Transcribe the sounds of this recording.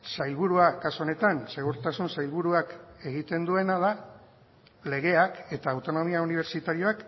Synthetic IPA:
sajlβuɾuakasuone̞t̪anse̞ɣ̞uɾt̪asunsajlβuɾuake̞ɣ̞it̪e̞nd̪ue̞naða | le̞ɣe̞ake̞t̪aːwt̪o̞no̞miauniβ̞e̞ɾt͡ʃit̪aɾio̞ak

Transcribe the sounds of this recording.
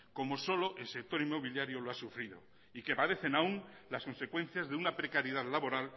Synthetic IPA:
ko̞mo̞so̞lo̞ʔe̞lse̞k̚t̪o̞ɾimːo̞β̞iljaɾjo̞loasufɾiðo̞̰ | ike̞paðe̞θe̞naun | lasko̞nse̞kwe̞n̟θjazðeunapɾe̞kaɾjeð̞aðlaβo̞ɾal

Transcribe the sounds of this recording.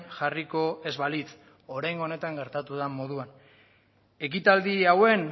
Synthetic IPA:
ʝariko̞e̞zβalit͡s | o̞ɾajŋɡone̞t̪aŋɡe̞ɾt̪at̪uðamo̞ðuan | e̞k̬it̪ald̪iawe̞n

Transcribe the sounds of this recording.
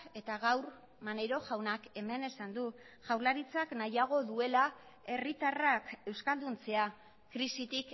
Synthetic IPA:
e̞t̪aɣawɾ | mane̞ɾo̞ʝawnake̞me̞ne̞sand̪u | ʝawɾlaɾit͡saknajaɣ̞o̞ðue̞la | e̞rit̪arake̞wskald̪unt͡se̞a | kɾisit̪ik

